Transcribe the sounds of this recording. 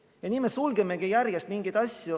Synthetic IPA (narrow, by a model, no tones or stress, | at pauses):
jɑnʲiːmesulɡemeɡ̥ijærjest̪miŋɡ̥id̪ɑsʲju